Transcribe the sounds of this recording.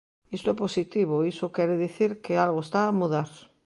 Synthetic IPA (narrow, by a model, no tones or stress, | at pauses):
ist̪ʊɛposit̪iβoisokɛɾeðiθiɾkealɣoest̪aːmuðaɾ